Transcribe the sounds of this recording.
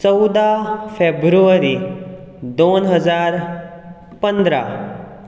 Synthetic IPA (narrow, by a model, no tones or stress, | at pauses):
t͡səwd̪afʰebɾuəɾi | d̪onɦəd͡zaɾ | pənd̪ɾa̰